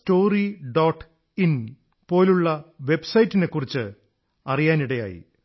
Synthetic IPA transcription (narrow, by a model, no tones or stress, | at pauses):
sto̞ːriɖoːʈː | in | po̞ːluɭːɐʋe̞bsɐjitːine̞kːurit͡ɕːɨ | ɐrijaːniɽɐja̰ːjḭ